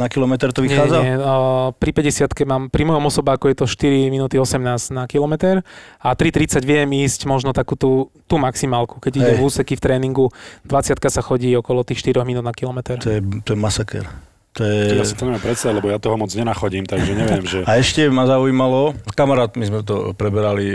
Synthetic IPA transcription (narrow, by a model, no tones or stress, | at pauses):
nakilɔmɛt̪ɛɾt̪ɔʋiɲɛaːd͡zaɛpɾipɛɟɛsɪat̪kɛmaːmpɾimɔjɔmɔsɔbɛakɔjɛt̪ɔʃt̪iɾiminuːt̪iɔsɛmnaːznakilɔmɛt̪ɛɾat̪ɾit̪ɾit͡saɟʋɪɛmiːscmɔʒnɔt̪akuːt̪ut̪uːmaksimaːlku̥kɛɟiɟɛmuːsɛkift̪ɾɛːniŋɡud̪ʋat͡sɪat̪̚kasaxɔɟiːɔkɔlɔt̪iːxʃt̪iɾɔɣminuːd̪nakilɔmɛt̪ɛɾt̪ɔjɛt̪ɔɔjɛmasakɛ̰ɾ | t̪ɔjɛjasit̪ɔmɛmampɾɛt̪sad̪alɛbɔjat̪ɔɦɔmɔd͡zɲɛnaxɔɟiːmt̪aɡʒɛɲɛʋɪɛmʒɛaɛʃcɛmazauimalɔskamaɾaːt̪mizmɛt̪̬ɔpɾɛbɛɾali